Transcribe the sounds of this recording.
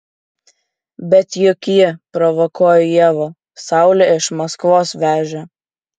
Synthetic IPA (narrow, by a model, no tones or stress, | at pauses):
bʲɛt̪jʊkjɪpɾɔʋɔkuɔːjojiɛʋo | sɑˑʊlʲɛɪʃmɐskʋoːsʋʲæːʒʲɛ